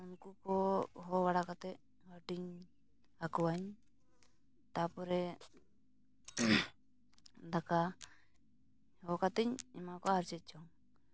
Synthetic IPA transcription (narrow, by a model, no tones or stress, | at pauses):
unkukɔɦɔwaɽakat̪ɛ | hɔʈiɲ | hakuwaɲ | t̪apuɾɛ | d̪aka | hɔkat̪ɛɲimakɔaɾt͡ʃɛt̪̚t͡ʃɔŋ